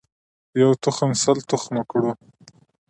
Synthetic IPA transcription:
jawt̪ʊxamsalt̪ʊxmakɽu

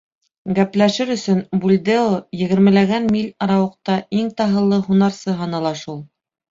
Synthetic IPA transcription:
ɡæplæʃɘɾɵ̆sɵnbulʲd̪eojɘ̆ɡɘ̆ɾmɘ̆læɡænmilʲɑɾɑwɤ̆q̚t̪ɑʔiŋt̪ɑɦɤ̆lˠːɤɦunɑɾsɤɦɑnɑlˠɑʃulˠ

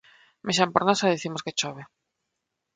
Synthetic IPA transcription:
meʃ̬ampoɾnasaðiθimosket͡ʃoβe

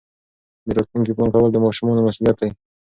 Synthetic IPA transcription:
d̪əɾɑt̪luŋkiplɑŋkawəld̪əmɑʃumɑnomasulijat̪̚d̪aj

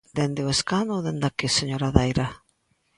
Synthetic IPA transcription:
d̪end̪ɪweskanoðend̪akeseɲoɾaðejɾa

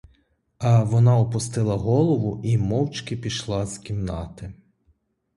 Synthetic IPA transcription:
ɐʋɔnɑɔpʊst̪ɪlˠɐɦɔlˠɔʋʊimɔwt͡ʃkɪpʲiʃlˠɑzkʲimnɑ̰t̪ɪ

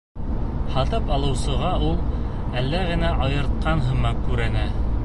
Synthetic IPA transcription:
hɑt̪ɤpɑlˠɤ̆wsɤ̆ʁɑulˠ | ælːæɣɘ̆næʔɑjɤ̆ɾt̪̚qɑnɦɤ̆mɑkʉɾɘnæ

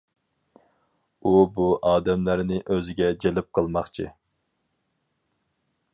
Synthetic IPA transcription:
ubuʔɑːd̪ɛmlæɾnɪʔøzɪɡʲɛd͡ʒelɪp̚qʰəlˠmɑχt͡ʃʰḭ

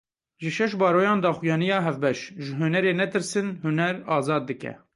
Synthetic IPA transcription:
ʒɨʃɛʃbɑːɾoːjɑːnd̪ɑːxujɑːnijɑːɦɛvbɛʃʒɪɦunɛɾeːnɛt̪ɨɾsɨnhunɛɾɑːzɑːd̪ːɨkɛ̰

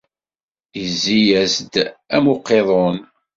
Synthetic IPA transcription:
jəzːijæzd̪æmoqːeðˤon

